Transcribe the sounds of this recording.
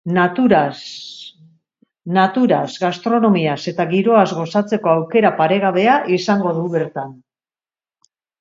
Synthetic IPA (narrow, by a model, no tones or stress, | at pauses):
nat̪uɾa | nat̪uɾazɣast̪ɾo̞no̞miase̞t̪aɣiɾo̞azɣo̞sat͡se̞ko̞awke̞ɾapaɾe̞ɣ̞aβe̞aʔisaŋɡo̞ðuβe̞ɾt̪an